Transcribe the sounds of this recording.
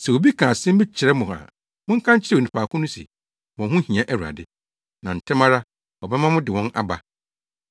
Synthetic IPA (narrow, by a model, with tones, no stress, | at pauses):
sɛ˨wo˨bi˦kʰã˨sɪ̃˦m̩˦bɪ˦t͡ɕʰɪ˨ɾɛ˦mʊ̃˨a̰˨ | mʊ̃˦ŋ̩˦kʰã˦ɲ˦t͡ɕʰɪ˦ɾɛ˦˨nɪ̃˨pʰaː˨kʰʊ̃˦nʊ̃˦sḭ˨ | mɔ̃˨ɦʊ̃˦hĩ˨ã˦ʔæ˦ɾu˨a̰˨dɪ˨ | nã˨n̩˨tʰɛ˦mã˦ɾa˦ | ɔ˨bɛ˦mã˦mʊ̃˦dɪ˨wɔ̃˦nʔa̰˦ba˨